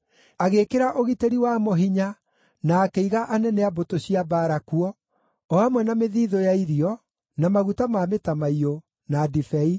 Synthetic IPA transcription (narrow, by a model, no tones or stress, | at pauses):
aɣekeɾaʔoɣiteɾiwamoɦiɲa | naːkeiɣaʔanɛnɛabotoɕiabaːɾakuɔ | ɔamwɛnameðiːðojaiɾiɔ | namaɣutamametamaio | nadifɛi